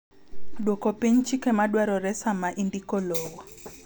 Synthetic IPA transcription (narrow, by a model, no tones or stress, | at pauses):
ɗwɔkɔpeɲ̩t͡ʃʰikɛmaɗwaɾɔɾɛsamaʔindikɔlɔːwa